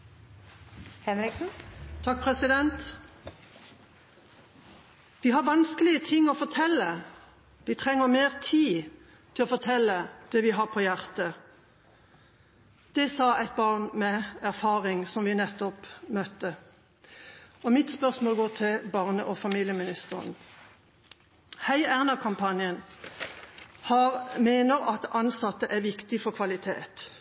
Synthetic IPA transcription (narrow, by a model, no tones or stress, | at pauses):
hɛɪksn̩t̪ʰɑk̚pʰʁɛsɪd̪ɛnt̪ | ʋɪɦɑʁʋɑnskəlɪət̪ʰɪŋːɔfɔʁt̪ʰɛlːə | ʋɪt̪ʰʁɛŋːəʁmeːʁt̪ʰiː | t̪ʰɪlɔfɔʁt̪ʰɛlːəd̪̥ɛʋɪɦɑʁpʰɔjæʁt̪ə | d̪̥ɛsɑæɪt̪̚bɑʁnmɛæʁfɑːʁɪŋsɔmʋɪnɛt̪ːɔpmœt̪ːə | ɔmɪt̪spœʁsmoːlɡoːʁt̪ʰɪlbɑʁnəʔɔfɑmiːljəmɪnɪst̪əʁə̰n | hæɪæʁnɑkʰɑmpʰɑnjən | hɑʁmeːnəʁɑt̪ɑnsɑt̪ːəʔæʋɪkt̪ɪfɔʁkʰʋɑlɪt̪ʰḛːt̪